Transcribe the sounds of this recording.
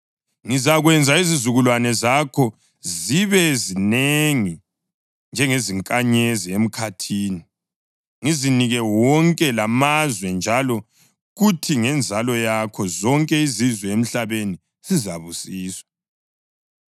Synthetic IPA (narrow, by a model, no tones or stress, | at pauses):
ŋizaɣwɛnd͡zʱaizizuɣulwanɛzakʰɔ | ziβɛzineŋi | nd͡ʒʱɛŋeziŋkʼaɲeziem̩kʰatʰiːni | ŋiziniɣɛwɔŋkʼɛlamazwɛnd͡ʒʱalɔ | ɣutʰiŋɛnd͡zʱalɔjakʰɔzɔŋkʼɛizizwɛem̩ɬaβeni | z̥izaβusiːswḁ